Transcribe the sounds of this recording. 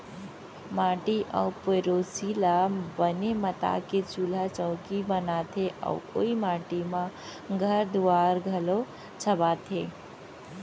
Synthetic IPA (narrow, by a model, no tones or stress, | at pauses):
maːʈiʔə̰wpeɾosilabənemət̪a̰ket͡ʃulat͡ʃə̃ʊkibənat̪ʰeʔa̰ʊo̰imaːʈimãɡʱəɾd̪uaːɾɡʱəlo | t͡ʃʰəbaːt̪ʰe